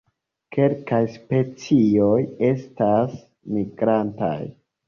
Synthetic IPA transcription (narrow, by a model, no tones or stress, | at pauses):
kʰe̞lkajspe̞t͡sio̞je̞stas | miɡɾanta̰j